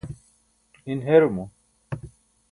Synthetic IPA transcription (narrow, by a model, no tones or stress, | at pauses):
inɦeɾumu